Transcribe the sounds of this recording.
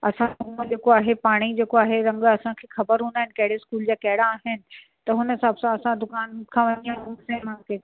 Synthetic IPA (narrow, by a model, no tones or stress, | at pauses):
ɐsãumd͡ʑeːkoaːɦepaːɽ̃id͡ʑeːkoaːɦeɾɐ̃ŋɡɐsãkʰeːxɐbəɾɦũːnd̪aːɦɪnɪ̆kɐɦɪɽeɪskuːld͡ʑaːkɐɦɪɽaːɦɪnɪ̆ | t̪ɐɦʊnəsɐbsãɐsãd̪ʊkaːnkʰãʋɐnd̪ijãɦusẽmãːke